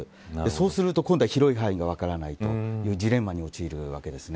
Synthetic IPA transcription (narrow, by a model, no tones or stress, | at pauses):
d̪e̞so̞ːsɨɾɯt̪o̞kõnd̪aiçiɾo̞iɦaiɡaβ̞akaɾanait̪o̞̰jɯːd͡ʑiɾẽ̞mːaɲ̟io̞t͡ɕiːɾɯ̟βa̰ke̞d̪e̞sɨne